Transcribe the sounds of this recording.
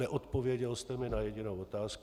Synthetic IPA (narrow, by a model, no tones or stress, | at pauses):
ɛʔot̪po̞vjɛɟɛlst̪ɛmɪnajɛɟɪnowot̪aːsk